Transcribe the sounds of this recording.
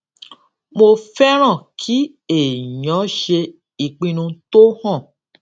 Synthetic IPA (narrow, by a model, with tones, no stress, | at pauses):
mo˧fɛ˦ɾ̃ã˦˨kʰi˨˦ | e˦˨jɔ̃˨˦ʃe˧ | i˨k͡pĩ˧nũ˧to˦hɔ̃˦˨